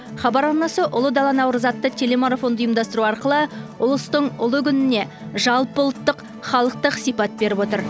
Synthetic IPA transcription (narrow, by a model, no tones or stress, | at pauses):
χɑbɑɾɑɾnɑsəʔʊlˠəd̪ɑlˠɑnɑwɾəzɑt̪ːət̪ʲʰe̞le̞maɾafo̞nd̪əijəmd̪ɑst̪əɾuɑɾqəlˠəʊlˠəst̪əɴʊlˠəkʲʰʏnɪne̞ | ʒɑlˠpbʊlˠət̪ːəq | χɑlˠəq̚t̪əqsijpɑt̪̚be̞ɾɪpo̞t̪əɾ